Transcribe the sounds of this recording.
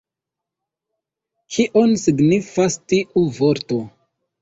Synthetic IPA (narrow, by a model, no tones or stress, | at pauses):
kʰiʔo̞nsiɡnifastiʔuvo̞ɾto̞